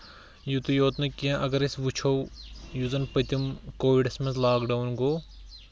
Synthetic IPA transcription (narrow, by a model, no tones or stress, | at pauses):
jut̪ujoːt̪nɐkiãʔɐɡɐɾisʋut͡ʃʰojuzɐnpɐt̪ʲimkoːʋiɖɐsmɐnzlaːkɖawnɡoː